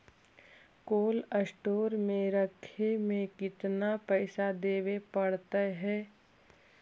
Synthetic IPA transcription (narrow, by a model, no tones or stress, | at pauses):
koːləsʈoːɾmẽɾəkʰemẽkɪt̪napɛːsad̪eːʋepɐɽt̪aɦɛː